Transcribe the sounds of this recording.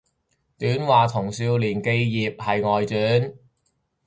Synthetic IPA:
t̪yː˨˥nwaː˨t̪ʰʊ˨˩ŋsiː˧wliː˨˩nke˧jjiː˨p̚hɐ˨jŋɔː˨jt͡syː˨˥n

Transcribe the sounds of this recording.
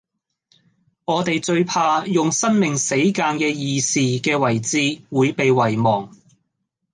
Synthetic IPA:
ŋɔː˨˧t̪e˨jt͡ʃɵ˧ɥpʰaː˧jʊ˨ŋsɐ˥nmɪ˨˩ŋse˨˥jkaː˧nkɛː˧jiː˨˧siː˨kɛː˧wɐ˨˩jt͡siː˧wuː˨˧jpe˨jwɐ˨˩jmɔː˨˩ŋ

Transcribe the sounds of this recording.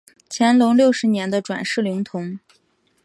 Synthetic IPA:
t͡ɕʰjɛ˧˥nlʊ˧˥ŋljo˥˩ʊʂɻ̩˧˥njɛ˧˥nd̪ə˧ʈ͡ʂwa̰˨˩nʂɻ̩˥˩li˧˥ŋt̪ʰʊ˧˥ŋ

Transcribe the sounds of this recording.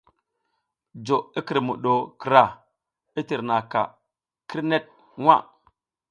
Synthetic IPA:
d͡ʒo˨i˦ki˨ɾmṵ˨ɗo˨ki˨ɾa˦˨ | i˦ti˨ɾna˨ka̰˨ | kʰi˦ɾne˦t̚ | wa̰˦˨

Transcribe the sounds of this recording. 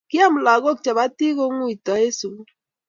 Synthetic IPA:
ki˦a˦mu˨la˨ɣo˦k̚t͡ʃa˨βa˦ti˦ɣo˦ŋu˦i˨ta˨˦e˦su˨˦

